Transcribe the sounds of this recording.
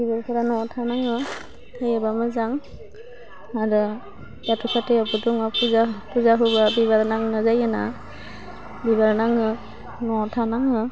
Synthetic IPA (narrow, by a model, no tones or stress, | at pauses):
bibaɾkʰɯɾanɔtʰanaŋɯ | tʰajabamɯzaŋ | aɾɯ | jatukʰateabɯduŋapʰuzapʰuzaɦɯbabiβaɾnaŋnɯzajɯna | biβaɾnaŋɯ | nɔtʰanaŋɯ